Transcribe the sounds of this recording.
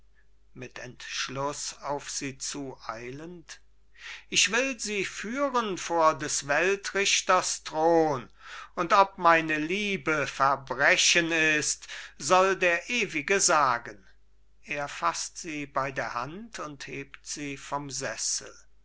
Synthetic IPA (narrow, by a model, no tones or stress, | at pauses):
mɪtʰɛntʃlʊsaʊfz̥iːt͡suːʔaɪlənt | ʔɪçv̥ɪlziːfyːʁənfoːɐdɛsvɛltʁɪʃtɐstʁ̥oːnʔʊntɔp̚maɪnəliːbəfɛɐbʁɛʃənɪstz̥ɔldeːɐʔeːvɪɡəzaːɡən | ʔeːɐfastz̥iːbaɪdeːɐhantʰʊntheːptz̥iːfɔmzɛsl̩